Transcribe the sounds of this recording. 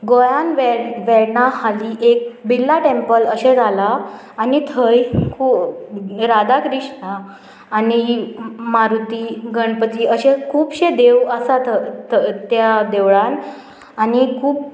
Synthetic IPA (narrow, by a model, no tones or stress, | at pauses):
ɡojanʋɛʋɛɽɳahaliʔek̚bilːaʈempələɕed͡zalaː | nit̪ʰəjkʰuː | ɾad̪akɾiɕɳaː | nimaɾut̪iɡəɳpət̪iːəɕekʰuːpɕed̪eʋəsat̪ʰət̪t̪jad̪eʋɭan | anikʰuːp̚